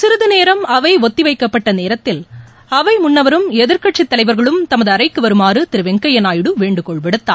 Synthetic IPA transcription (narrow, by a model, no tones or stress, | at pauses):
sɪɾɯðɯneːɾɐmɐʋɐɪʋɔt̪ːiʋɐɪkːɐpːɐʈːɐneːɾɐt̪ːɪl | ɐʋɐɪmʊɳːɐʋɐɾɯmɛðɪɾkɐʈʂit̪ːɐlɐɪʋɐɾɣɐɭɯmt̪ɐmɐðɯɐɾɐɪkːɯʋɐɾɯmaːrɯt̪ɪɾɯʋɛŋkɐjɐnaːjɪɽɯʋeːɳɖɯkɔɭpɛɽɯt̪ːa̰ː